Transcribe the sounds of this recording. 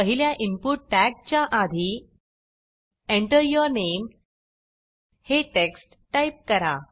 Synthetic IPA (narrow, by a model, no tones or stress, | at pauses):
əɦiljaʔimpuʈ̚ːæk̚t͡ɕjaʔad̪ʱi | ẽɳʈəɾjəɾnem | heʈeksʈːajp̚kəɾa